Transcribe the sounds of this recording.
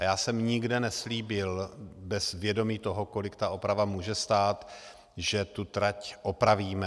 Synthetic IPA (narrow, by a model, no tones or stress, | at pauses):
jaːsɛmɲɪɡdɛnɛsliːbɪlbɛzvjɛdo̞miːt̪o̞ɦoko̞lɪkt̪aʔo̞pɾavamuːʒɛst̪aːt̪ | ʒɛt̪ut̪ɾacʔopɾaviːmɛ